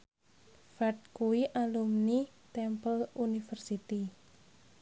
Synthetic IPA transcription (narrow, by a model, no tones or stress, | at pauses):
fat̪̚kuiʔalumni | t̪ɛmpəlunifərsit̪i